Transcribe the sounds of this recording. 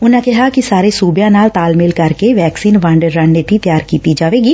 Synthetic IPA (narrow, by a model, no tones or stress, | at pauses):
ʊnãkɪɦakisaːɾesuːbjãːnaːlt̪aːlmɪlkɐɾkeʋɛːksiːnʋãːɳɖəɾːə̃ɳnet̪it̪ɪjaːɾkiːt̪id͡ʒaːʋeːɡiː